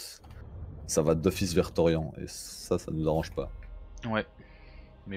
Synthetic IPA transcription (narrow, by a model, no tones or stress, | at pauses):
savad̪ɔfis̬vɛʁt̪ɔʁjɑ̃ḛsasa̰nuzaʁɑ̃ʒpawɛ | mɛ